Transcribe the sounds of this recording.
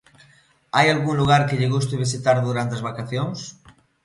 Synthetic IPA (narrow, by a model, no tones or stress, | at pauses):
ajalɣuŋluɣ̞aɾkeʎeɣ̞us̬t̪eβ̞isit̪aɾðuɾant̪eazβakaθjoŋs